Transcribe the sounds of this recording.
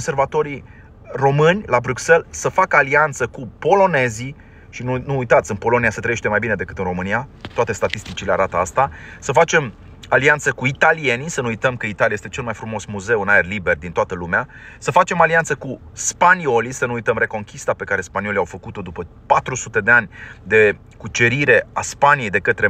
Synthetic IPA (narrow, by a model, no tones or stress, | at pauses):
onservat̪o̞ɾi | ro̞mɨnʲlabɾukse̞lsəfakəaliant̪səkupo̞lo̞ne̞zi | ʃinunuujt̪at̪sʲɨnpo̞lo̞niasət̪ɾəjeʃt̪emajbine̞d̪e̞kɨt̪ɨnro̞mɨnijat̪oat̪e̞st̪at̪ist̪it͡ʃileaɾat̪əast̪asəfat͡ʃe̞m | aliant̪səkuit̪alie̞nisənuujt̪əmkəit̪alʲijajest̪e̞t͡ʃe̞lmajfɾumo̞smuze̞unaerlibe̞rd̪int̪oat̪əlumeasəfat͡ʃe̞maliant̪səku | spanio̞lisənuujt̪əmɾe̞ko̞ŋkʲist̪ape̞kaɾe̞spanio̞liawfəkut̪o̞d̪upəpat̪ɾusut̪e̞d̪e̞anʲd̪e̞ | kut͡ʃe̞ɾiɾe̞a̰spanije̞jd̪e̞kət̪ɾe̞